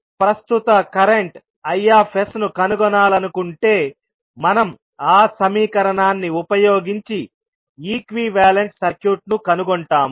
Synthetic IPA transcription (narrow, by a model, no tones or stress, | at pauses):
pɾɐst̪ut̪ɐkɐɾe̞ɳʈ | ɐjːaːpʰesnukɐnuɡɔnaːlɐnukuɳʈe̞ː | mɐnɐm | aːsɐmiːkɐɾɐɳaːnːiupɐjoːɡiɲt͡ʃi | iːkʋiːʋaːleɳʈsɐɾkjuːʈ̚nukɐnuɡɔɳʈaːmu